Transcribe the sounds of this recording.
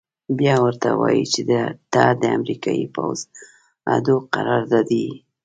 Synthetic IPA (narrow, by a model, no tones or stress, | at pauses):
bjɑwəɾt̪awɑjit͡ʃed̪əd̪̥ɑd̪əamɾikɑjipa̰wz | ad̪oqaɾɑɾd̪ad̪i